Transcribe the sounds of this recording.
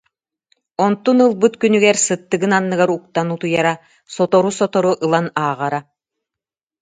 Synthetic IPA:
ɔnt̪unɯlˠbɯt̪kynyɡɛɾsɯt̪ːɯɡɯnanːɯɡaɾuk̚t̪anut̪ujaɾa | sɔt̪ɔɾusɔt̪ɔɾuʔɯlˠanaːʁaɾa

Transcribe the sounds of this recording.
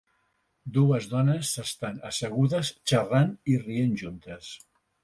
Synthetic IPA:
d̪uəzðɔnəsːəst̪anəsəɣuðəst͡ʃəranirienʒunt̪əs

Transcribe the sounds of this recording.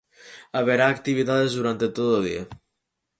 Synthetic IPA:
aβ̞eɾaːk̚t̪iβ̞it̪aðezðuɾant̪et̪oðoðḭa

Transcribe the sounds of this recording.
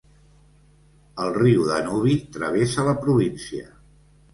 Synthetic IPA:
əlˠriwðə̰nuβ̞it̪ɾəβ̞esələpɾuβinsiə̰

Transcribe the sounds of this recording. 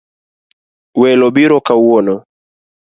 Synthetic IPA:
wɛlɔbiɾɔkawɔnɔ

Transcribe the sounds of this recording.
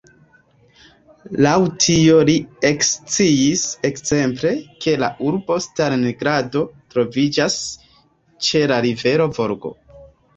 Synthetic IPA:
lawtʰiolie̞kst͡siisekze̞mple̞kʰe̞la̰ʔuɾbo̞staɾneɡɾado̞tɾo̞vid͡ʒas | t͡ʃe̞laɾive̞ɾo̞vo̞ɾɡo̞̰

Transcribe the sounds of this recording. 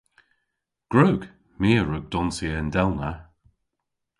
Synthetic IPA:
ɡ̥ɹoːɡ̥ | miːɹʊɡ̚d̪ɔnsiəənd̪ɛlˠna

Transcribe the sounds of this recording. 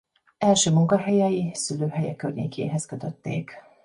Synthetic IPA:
ɛlʃøːmuŋkɒɦɛjɛjisyløːɦɛjɛkørɲḛːkʰḛːɦɛskø̞t̪øt̪ːḛːk

